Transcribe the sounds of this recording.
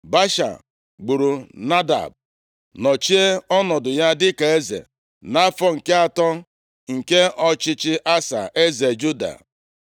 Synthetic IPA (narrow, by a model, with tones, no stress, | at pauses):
ba˦ʃa̰˨ | ɡ͡bu˨ɾu˨na˦da̰˨b̚ | nɔ˨t͡ʃi˦e˦ɔ˦nɔ˨dʊ˨ja˦dɪ˦ka˨e˦zḛ˨ | na˦fɔ˦ŋ̩˨ke˦a˦tɔ˦ | ŋ̩˨ke˦ʔɔ˦t͡ʃɪ˦t͡ʃɪ˦ʔa˦sa̰˨ʔe˦ze˨d͡ʒu˦da̰˨